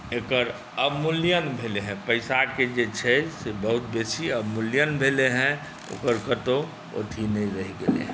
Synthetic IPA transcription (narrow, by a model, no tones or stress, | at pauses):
eːkəɾ | əbmulijənbʱeːleɦɛ̃pəɪsaked͡ʒet͡ʃʰɛsebəɦʊt̪̚besiəbmulijənbʱeleɦɛ̃ | o̰ːkəɾkət̪o | o̰ʈ̪ʰinəiɾəɦiɡḛlḛɦ